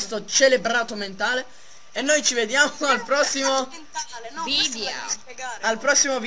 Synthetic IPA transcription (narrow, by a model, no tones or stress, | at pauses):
st̪ot͡ʃelebɾaːt̪oment̪aːle | enːojt͡ʃived̪jaːmmoalpɾɔsːimo | vid̪ | alpɾɔsːimov